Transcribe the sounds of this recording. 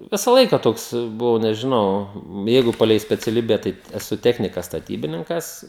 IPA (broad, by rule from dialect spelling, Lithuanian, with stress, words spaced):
ˈʋʲɪsɐ ˈlˠɐɪkɐ ˈtoːks bʊˈʋɐʊ nʲɛʒʲɪˈnɐʊ ˈjɛɪɡʊ ˈpɑːlʲɛɪ sʲpʲɛt͡sʲɛˈlʲiːbʲɛ ˈtɐɪ ɛˈsʊ ˈtʲæːxʲnʲɪkɐs stɐˈtʲiːbʲɪnʲɪŋkɐs